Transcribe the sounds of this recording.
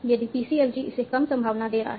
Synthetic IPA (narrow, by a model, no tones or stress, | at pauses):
d͡ʒadipisiɛld͡ʒiʔːsekamsəmbʱawnadeɾa̰